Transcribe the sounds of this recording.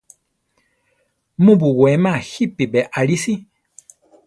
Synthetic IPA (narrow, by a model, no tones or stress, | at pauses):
mũbuɡwemãhipibɛʔaɾisi